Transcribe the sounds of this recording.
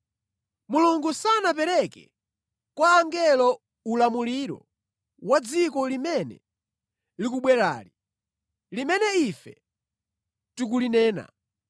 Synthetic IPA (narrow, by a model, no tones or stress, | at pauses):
muluŋɡusanapɛɾɛkɛ̰ | kwaːŋɡɛlɔ | ulamuliɾɔ̰ | wad͡zikɔlimɛnɛ̰ | lik̬uɓwɛɾa̰ːli | limɛnɛifɛ̰ | tuk̬ulinɛːna̰